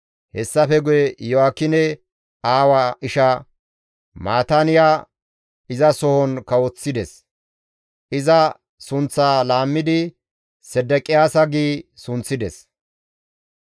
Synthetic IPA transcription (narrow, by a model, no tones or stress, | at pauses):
hɛsːɐfɛɡʊjɛjɔakːɪnɛ | aːwaɪʃɐ | maːt̪anɪjaː | ɪzɐsɔhɔnkɐwɔt͡sːɪd̪ɛs | ʔɪzɐ | sʊnt͡sːaːlaːmːɪd̪ɪ | sɛd̪ːɛkʼɪjaːsɐɡiːsʊnt͡sːɪd̪ɛs